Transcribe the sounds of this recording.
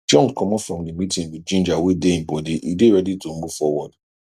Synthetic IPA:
d͡ʒɔ̃nkʰɔ̃mɔfɹɔ̃mdimitĩnwid͡ʒĩnd͡ʒawedeĩbɔdiʔideɾɛditon̩mofɔwɔd

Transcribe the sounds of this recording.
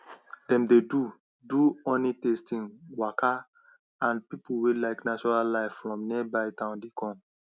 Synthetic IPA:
dɛ̃mdedu | duɔ̃nitestĩŋwaka | ãnpipuwelaɪknat͡ʃɔɹallaɪffɹɔ̃mniɛbaɪtãʊ̃ndekɔ̃m

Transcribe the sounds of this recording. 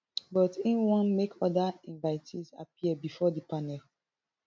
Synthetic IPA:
bɔtĩnwɔ̃nmekʰɔdaɛ̃ɱvaɪtʰiza̰piəbifɔdipanɛl

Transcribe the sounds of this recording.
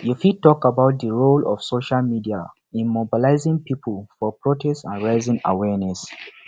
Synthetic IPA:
jufitɔkabaʊt̚dəɹolɔfsoʃalmidia | ĩnmobilaɪzĩŋpipʰəlfɔpɹotɛstãnɹaɪzĩŋa̰wɛnɛs

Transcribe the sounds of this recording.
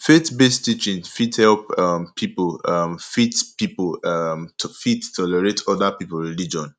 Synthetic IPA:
fetbestit͡ʃĩnfithɛlpampʰipolamfitpipl | fittʰːɔlɛɹetɔdapiplɹilid͡ʒɔ̃n

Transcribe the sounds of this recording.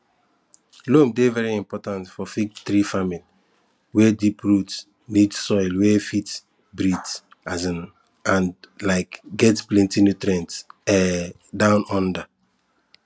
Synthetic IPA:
lomdevɛɹiĩmpɔtãntfɔfikt̪ɾifamili | wɛdipɹut | nidsɔɪlwɛfit | bɾits | azĩn | ãnlaɪkɡɛtplɛ̃ntinot̪ɾɛ̃ntɛ | dãʊ̃nɔ̃nda

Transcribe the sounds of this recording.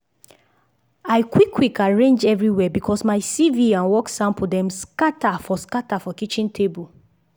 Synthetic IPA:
aɪkwikʰːwikaɹẽnd͡ʒɛvɹiwɛbikʰɔsmaɪsiviãnwɔksãmp̩dɛ̃mskatafɔskatafɔkit͡ʃĩntʰebu

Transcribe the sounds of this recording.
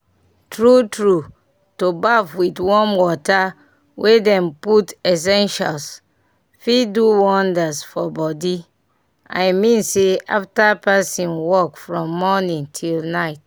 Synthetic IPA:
tɹutɹu | tobafwitwɔ̃nwɔta | wʔedɛ̃mputɛs̬ɛ̃nʃa̰ls | fiduwɔ̃ndasfɔbɔdi | a̰jmĩnsea̰ftapasĩnwɔkfɹɔ̃mːɔnĩŋtʰilnaɪt

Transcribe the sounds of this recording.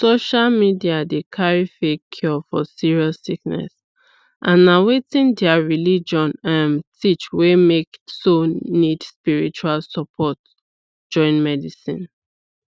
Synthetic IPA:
soʃalmidiadekʰaɹifekʰːjɔfɔ̰siɹiasiknɛ̰s | ʔãnːawetĩndɛaɹilid͡ʒɔ̃nãntʰit͡ʃwemeksonidspiɹit͡ʃualsɔpʰɔt | d͡ʒɔ̃ɪ̃nmɛdisḭ̃n

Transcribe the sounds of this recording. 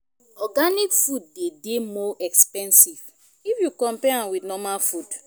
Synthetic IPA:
ɔɡanikfut̚dedemɔʔɛkspɛ̃nsiv̥ | ifjukɔ̃mpɛãnwidnɔmalfud

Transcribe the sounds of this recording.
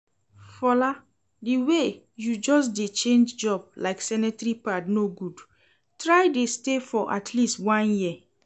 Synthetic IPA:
fɔla | diwe | jud͡ʒɔsdet͡ʃẽnd͡ʒd͡ʒɔb̚laɪksɛnɛtɹipatnoɡud | tɹaɪdestefɔʔatʰlistwãnji

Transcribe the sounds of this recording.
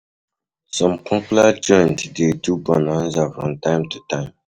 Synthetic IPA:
sɔ̃mpʰɔ̃klad͡ʒɔ̃ntdetubɔ̃nan̩zafɹɔ̃mtãɪ̃mtutãɪ̃m

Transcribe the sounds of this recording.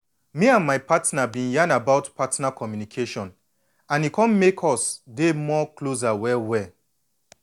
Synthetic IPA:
miãnmaɪpatnabĩnjãnabaʊtpʰatnakʰɔmjunikʰeʃɔ̃n | ãnikɔ̃nmekʰɔsdemɔkloz̬awɛwɛ

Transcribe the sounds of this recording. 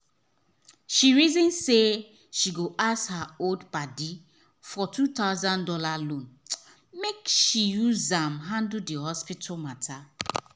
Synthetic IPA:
ʃiɹizĩnse | ʃiɡoʔashaoldpadi | fɔtʰut̪aʊzãndɔlalõn | mekʃijuzãmɦãnddiɦɔspitʰalmatʰa

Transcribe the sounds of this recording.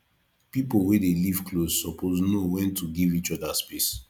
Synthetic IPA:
pipolwedeliv̥klosːɔpʰoznowɛ̃ntʰuɡivit͡ʃɔdaspes

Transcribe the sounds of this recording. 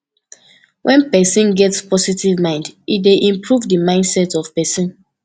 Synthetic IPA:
wʔɛ̃npɛsĩnɡɛtspɔsitivmãɪ̃ndideʔĩmpɹuvdimãɪ̃ndsɛtɔv̥pɛsɔ̃n

